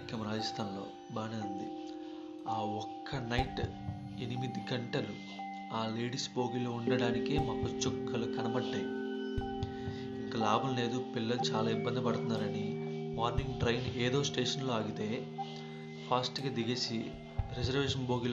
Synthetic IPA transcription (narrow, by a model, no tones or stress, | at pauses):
kːɐmɾaːd͡ʒɐst̪ʰaːnlo̞ː | baːniɐnd̪i | aːɔkʰːɐnɐjʈ | enimid̪iɡɐɳʈɐlu | aːle̞ːɖisbo̞ːɡilo̞ːuɳɖɐɽaːnikimɐkut͡ʃɔkʰːɐlukɐnɐbɐɖːeː | iŋkɐlaːbulne̞ːd̪upilːɐlut͡ʃaːlaːibːɐnd̪ipɐɽut̪unːaːɾɐnimaːɾniŋɡʈɾɐjneːd̪oːsʈeːʂɐnlo̞ːaːɡut̪e̞ː | pʰaːsʈɡaːd̪iɡeːsi | ɾed͡ʒɐɾʋeːʂɐnbo̞ːɡil